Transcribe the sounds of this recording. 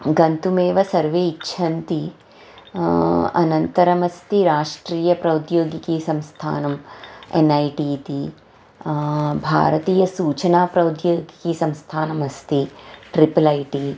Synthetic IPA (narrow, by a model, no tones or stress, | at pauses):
ɡɐnt̪umeːʋɐsɐɾʋeːitːʃʰɐnt̪i | ɐ̰nɐnt̪ɐɾɐmɐst̪iɾaːʂʈɾiːjɐpɾɐwd̪joːɡikisɐ̃mst̪ʰa̰ːnɐmḛnɐjʈiːt̪i | bʱa̰ːɾɐt̪iːjɐsuːt͡ʃɐnaːpɾɐwd̪joːɡikisɐmst̪ʰaːnɐmɐst̪iʈɾipɐlɐjʈi